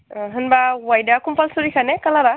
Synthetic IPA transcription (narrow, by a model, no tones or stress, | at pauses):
ɦɯnbawajdakumpalsoɹikʰanɛkalaɾa